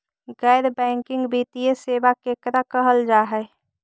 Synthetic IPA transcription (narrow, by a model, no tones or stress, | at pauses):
ɡɛɪɾbɛ̃ŋkɪ̃ŋɡbiːt̪ijeseːbakeːkɾakəɦəld͡ʒaːɦɛ